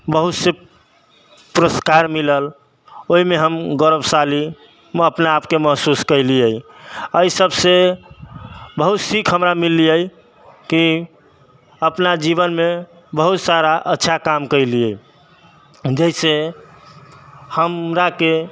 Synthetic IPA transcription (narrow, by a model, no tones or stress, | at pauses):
bəɦut̪se | pɾəskaɾmiləl | oɦimeɦəmɡəɾəbsali | əpnaːpkeməɦsuskəjliəj | əisəbse | bəɦut̪sikʰɦəmɾamilːiəj | ki | əpnad͡ʒiβənme | bəɦut̪saɾaʔətːʃʰakamkəjliəj | d͡ʒəise | həmɾake